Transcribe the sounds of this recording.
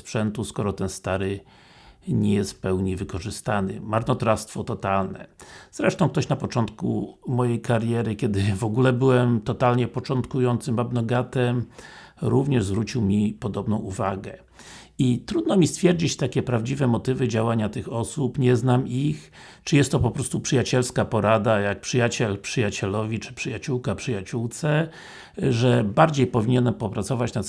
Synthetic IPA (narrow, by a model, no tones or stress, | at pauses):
spʂɛnt̪uskɔɾɔt̪ɛnst̪aɾɘ | ɲɛjɛst̪pɛwɲivɘkɔʐɘst̪anɘ̰maɾnɔt̪ɾast̪fɔt̪ɔt̪alnɛ̰z̥ɾɛʂt̪ɔw̃kt̪ɔɕnapɔt͡ʂɔnt̪kṵmɔjejkaɾjɛɾɘkʲɛd̪ɘvɔɡulɛbɘwɛmt̪ɔt̪alɲɛpɔt͡ʂɔnt̪kujɔnt̪sɘmabnɔɡat̪ɛm | ɾuvɲɛʐzvɾut͡ɕiwmʲipɔd̪ɔbnɔ̃w̃ʔuvaɡɛ | it̪ɾud̪̚nɔmʲist̪fʲjɛɾd͡ʑit͡ɕt̪akʲɛpɾavd͡ʑivɛmɔt̪ɘvɘd͡ʑawaɲat̪ɘxɔsupɲɛznamix | t͡ʂɨjɛst̪ːɔpɔpɾɔst̪upʂɘjat͡ɕɛlskapɔɾad̪ajak̚pʂɘjat͡ɕɛlpʂɘjat͡ɕɛlɔvʲit͡ʂɘ̥pʂɘjat͡ɕuwkapʂɘjat͡ɕuwt̪sɛ | ʐɛbaɾd͡ʑejpɔvʲiɲɛnɛmpɔpɾat̪sɔvat͡ɕnat̪